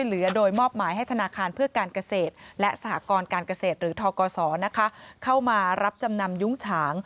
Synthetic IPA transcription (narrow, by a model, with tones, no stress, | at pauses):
jlɯ˩˦ɐdoː˧jmɔː˥˩p̚maː˩˦jɦa˥˩jt̪ʰnaː˧kʰaː˧npʰɯ˥˩ɐkaː˧nka˧seː˨˩t̪̚lɛ˦˥ʔsa˧ha̰˨˩˦kɔː˧nkaː˧nka˧seː˨˩t̪̚ɾɯː˩˦t̪ʰɔː˧kɔː˧sɔː˩˦na˦˥kʰa˦˥kʰa˥˩wmaː˧ɾa˦˥p̚t͡ɕa˧mna˧mju˦˥ŋt͡ɕʰaː˩˦ŋ